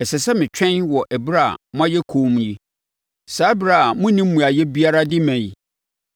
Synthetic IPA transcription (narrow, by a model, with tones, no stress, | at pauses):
ɛ˨sɛ˨sɛ˦mɪ̃˨t͡ɕᶣɛ̃˦nwɔ˨ʔɛ˨bɾa˦˨mʊ̃˦a˦jɛ˦kʰoː˨˦m̃˦ji˦ | saː˨˦bɾa˨mʊ̃˦nĩ˦m̩ː˦ũ˨a˨jɛ˦bi˦a˦ɾa˦dɪ˦mæ̃˨i˨